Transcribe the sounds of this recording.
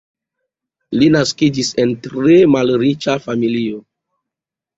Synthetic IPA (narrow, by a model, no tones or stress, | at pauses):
linaskid͡ʒise̞ntɾe̞malɾit͡ʃafamilio